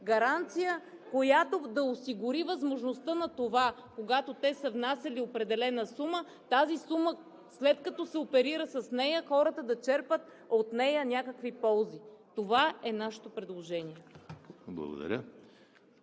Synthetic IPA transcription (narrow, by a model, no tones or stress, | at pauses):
ɡɐɾant̪sijə | kojat̪od̪ɐosiɡʊɾivəzmoʒnost̪ənɐt̪ovakoɡat̪ot̪ɛsəvnasʲɐliopɾɛd̪ɛlɛnəsumə | t̪azisumə | slɛt̪kɐt̪ɔsɛopɛɾiɾəsəsnɛjəxɔɾət̪əd̪ɐt͡ʃɛɾpət̪ | ot̪nɛjənʲakəkvipɔlˠzit̪ovaɛnaʃɛ̥t̪opɾɛd̪lˠoʒɛniɛ | blˠɐ̰ɡo̰d̪ɐ̰ɾʲə